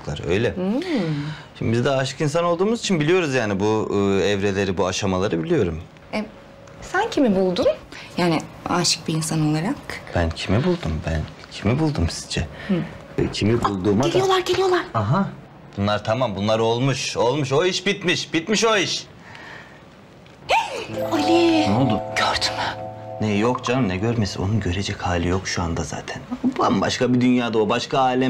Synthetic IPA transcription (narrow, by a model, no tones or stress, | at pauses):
klˠa̰ɾø̰jlʲɛ | ʃimd̪ibizd̪aːʃɯ̥kins̬anolˠd̪uːmuzit͡ʃʰinbilijo̞ɾuzjaːnibuɛvɾe̞lʲe̞ɾibuaʃamalˠaɾɯbilʲijo̞ɾum | ɛ | sæncʰimibulˠd̪unjaːnɪaʃɯ̥k̚biːnsano̞lˠaɾakb̥æncʰimibulˠd̪umbæn | cʰimibulˠd̪umsi̥zd͡ʒɛ̰ | cʰimibulˠd̪uːmalʲijo̞lˠaɾɟelʲijo̞lˠaɾ̥aɦa | b̥unlˠaɾt̪ʰamambunlˠaɾo̞lˠmuʃo̞lˠmuʃ̬oiʃbit̪miʃb̥it̪miʃo̞iʃ | alʲiolˠd̪umɟ̥øɾd̪y̥mnejjo̞kd͡ʒanɯmnɛɟøɾmesio̞̰nunɟø̞ɾed͡ʒɛchaːlʲijo̞kʃuand̪aza̰ːt̪ʰænbamba̰ʃkabid̪ynjaːd̪aobaʃkʰaaːlʲɛ